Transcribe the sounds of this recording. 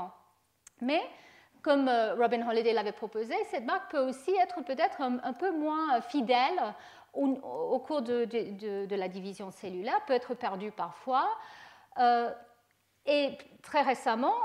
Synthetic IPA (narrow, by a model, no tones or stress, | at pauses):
mɛ | kɔmøʁɔbĩnʁɔ̃led̪elavɛpχɔpozesɛt̪maʁk̚pøosiɛt̪χəpøt̪ɛt̪χɛ̃pømwɛ̃fid̪ɛl | uokʰuʁd̪əd̪ed̪əd̪əlad̪ivizjɔ̃selylɛʁpøɛt̪χəpɛʁd̪ypaʁfwa | ø | et̪χɛʁesamɑ̃